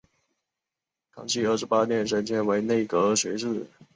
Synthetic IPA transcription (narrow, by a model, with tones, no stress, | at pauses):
kʰɑ̰˧˥ŋt͡ɕʰi˥˧ə˥˩ʂɻ̩˧˥pa˥njɛ˥˩nʂə˥nt͡ɕʰjɛ˥nwe˧˥ɪne˥˩ɪkɤ˧˥˧ɕɥɛ˧˥ʈ͡ʂɻ̩˥˩